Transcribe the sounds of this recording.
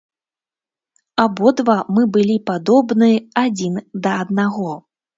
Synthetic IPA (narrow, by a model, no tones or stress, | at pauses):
abɔd̪vamɨbɨlʲipad̪ɔbnɨad͡zʲind̪ɐɐd̪̚naɣɔ